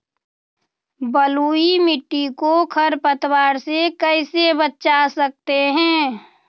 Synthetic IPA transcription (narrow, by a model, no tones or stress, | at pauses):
bəluimɪʈːikokʰəɾpət̪waːɾsekəɪsebətːt͡ʃasək̚t̪eɦɛ̃ː